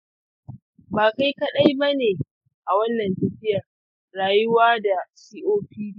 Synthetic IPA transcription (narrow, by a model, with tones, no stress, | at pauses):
baː˨ka˦jkɐ˦ɗa˦jbɐ˦neː˨ | ʔa˨wɐ˦nːɐ˨ntɐ˦ɸɪ˦jɐ˨r | ɽaː˨jʊ˦waː˦da˨siː˦ʔoː˦ɸiː˦d